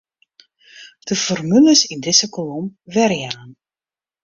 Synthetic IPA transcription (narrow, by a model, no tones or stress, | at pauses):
d̥əfɔrmyləsindɪsəkɔlɔmʋɛrjaːn